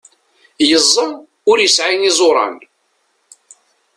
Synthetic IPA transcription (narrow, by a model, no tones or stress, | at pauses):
jəzˤːəm | ʊɾjəsʕinɪzˤoɾˤɑ̰n